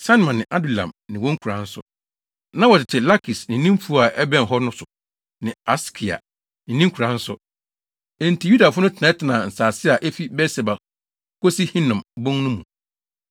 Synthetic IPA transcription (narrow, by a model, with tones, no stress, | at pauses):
sa˦n˨mã˨nɪ̃˨ʔa˦du˨lã̰˨mnɪ̃˨wɔ̃˦ŋ̩˦kʰu˨ɾã˨˦n̩˦sʊ̰˦ | nã˦wɔ˨tʰɪ˨tʰɪ˨la˦kʰi˨snɪ̃˨˦nĩ˦m˦fu˦a˨ʔɛ˦bɛ̃˦˨n˨ɦɔ˦nʊ̃˦sʊ˨ | nɪ̃˨a˦skʰi˨a̰˨ | nɪ̃˨nĩ˦ŋ̩˦kʰu˨ɾã˨˦n̩˦sʊ̰˦ | ɛ̃˨n˨tʰi˨ju˦da˨fʊ˦nʊ̃˦tʰɪ˨nã˨˦tʰɪ˨nã˨n̩˨saː˨sɪ˦a˨ʔɛ˦fi˦bɛ˦sɛ˨ba˨ | kʰo˦si˦hĩ˦nã˨mbʊ̃˦ŋnʊ̃˦mũ˨